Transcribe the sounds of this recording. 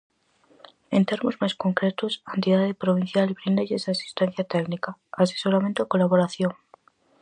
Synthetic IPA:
e̞nt̪e̞ɾmozmasko̞ŋkɾet̪osant̪iðaðepɾoβin̟θjalβɾind̪eʝesasi̥st̪en̟θjat̪eknikaːseso̞ɾament̪okolaβo̞ɾaθjo̞ŋ

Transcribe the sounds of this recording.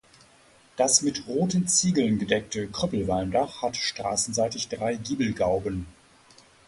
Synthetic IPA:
d̥asmɪtʁoːtən̩t͡siːɡl̩nɡədɛk̚təkʁ̥ʏpl̩vaɪndaχhatʃtʁ̥a̰ːsn̩zaɪtɪçd̥ʁaɪɡiːbl̩ɡaʊbən

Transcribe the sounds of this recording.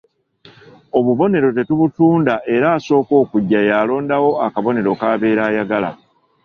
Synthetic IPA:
o̞βuβo̞ne̞ɾo̞te̞tuβutuːndaʔe̞ɾaːso̞ːko̞ːkuɟːajaːlo̞ːndawo̞akaβo̞ne̞ɾo̞kaːβe̞ːɾaːjaɡala̰

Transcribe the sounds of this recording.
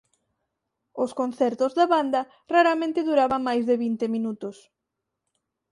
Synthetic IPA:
ʊskon̟θɛɾt̪ozðaβand̪ɐ | raɾamẽnt̪ɪðuɾaβaŋmajzðɪβint̪ɪmĩnut̪ʊs

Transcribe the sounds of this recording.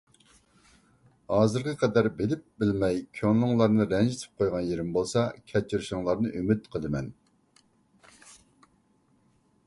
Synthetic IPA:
hɑːzɨɾqʰəqʰɛd̪æɾbelɪp̚bɪlmɛjkʲʰønlˠʊŋlˠɑɾnɨɾɛnd͡ʒɪt̪ʰɪ̥p̚qʰojʁɑnjeɾɪmbolˠsɑkʲʰɛt͡ʃʰːiɾʃɪŋlˠɑɾnɨʔymyt̪qʰəlˠɨmɛn

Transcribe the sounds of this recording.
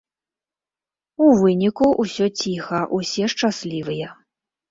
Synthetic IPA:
uvɨnʲikuʔusʲɔt͡sʲixɐʔusʲɛʂt͡ʂasʲlʲivɨjɛ

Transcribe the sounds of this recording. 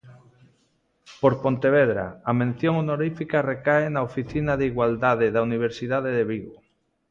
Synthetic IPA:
poɾpont̪eβ̞eðɾa̰amẽn̟θjoŋunoɾifikarekaenaofiθinaðeiɣwald̪að̞eðauniβeɾsiðaðeðeβiɣo

